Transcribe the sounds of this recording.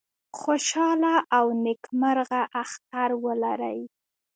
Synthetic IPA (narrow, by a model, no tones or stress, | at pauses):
xoʃɑlaʔawnɪkməɾɣaʔaxt̪aɾwəlaɾə̰j